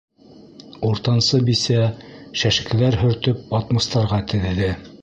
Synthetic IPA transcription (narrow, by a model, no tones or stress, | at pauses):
uɾt̪ɑnsɤbisæʃæʃɘkɘ̆læɾɦɵ̆ɾt̪ɵp̚ɑt̪mɤ̆st̪ɑɾʁɑt̪ɘ̆ðɘ̆ðɘ